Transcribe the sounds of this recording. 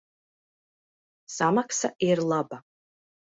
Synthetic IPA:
samaksa̰ʔiɾlˠaba

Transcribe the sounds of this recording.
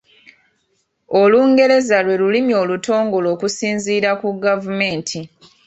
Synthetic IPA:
o̞luːŋɡe̞ɾe̞zalwe̞lulimjo̞ːlutʰo̞ːŋɡo̞lo̞ːkusiːnziːɾakuɡavume̞ːntʰi

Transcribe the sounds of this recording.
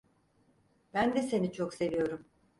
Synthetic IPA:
b̥ænd̪ɛse̞nit͡ʃʰokse̞vijo̞ɾum

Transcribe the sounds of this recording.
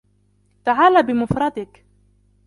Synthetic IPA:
t̪aʕaːlaːbɪmʊfɾˤɑd̪ɪk

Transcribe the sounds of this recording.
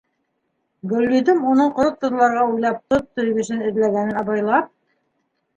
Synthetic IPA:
ɡɵ̆lʲːid̪ɘmunɤɴqŏɾop̚t̪ŏðlˠɑɾʁɑujlˠɑp̚t̪ot̪̚t̪ːɵ̆jɘɡɘ̆sɘnɘ̆ðlæɡænɘnɑβɑjlˠɑp̚

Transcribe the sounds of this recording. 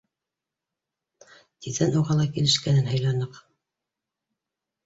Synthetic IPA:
t̪iðænuʁɑlˠɑkilɘ̆ʃkænɘnɦɤjlˠɑnɤq

